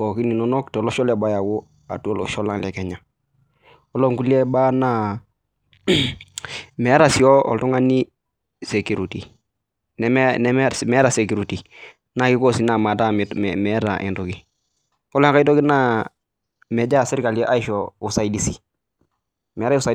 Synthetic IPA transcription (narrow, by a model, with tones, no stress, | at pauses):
ɔ˨ki˦ni˨nɔ˦nɔ˦ktɛ˨lɔ˦ʃɔ˦lɛ˨ba˦ja˨wo˦ | a̰˨tu˦o˦lɔ̰˨ʃɔ˦la˦ŋlɛ˨kɛ˨ɲa˨ | ɔ˦lo˦ŋku˦li˦e˦ba˦na˦ | mɛ˨˦ɾa˨si˨ɔ˦ɔ̰˨ltu˦ŋa˦ni˦ | se˨ku˨ɾu˨ti˨ | nɛ˨m˦nɛ˨mmɛ˦ɾa˨se˨ku˨ɾi˨ti˨ | na˦˨ki˦kɔ˦si˨na˨ma˨ta˦mmɛ˨˦ɾa̰˨ʔḭ˨ntu˨ki˨ | ɔ˦lŋka˦i˦tɔ˦ki˦na˦ | mɛ˨d͡ʒa˦˨si˦ɾka˨li˦ɛ˦ʔa˦i˦ʃɔ˨u˨sa˨i˦di˦si˨ | mɛ˨˦ɾa˦u˦sa˨